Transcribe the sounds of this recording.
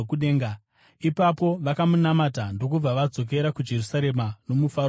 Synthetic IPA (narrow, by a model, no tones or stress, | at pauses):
kuɗeːŋɡa | ipapo̞ʋakamunamatando̞k̬ub͡vaʋad͡zo̞k̬e̞ɾakud͡ʒe̞rusaɾe̞mano̞mufa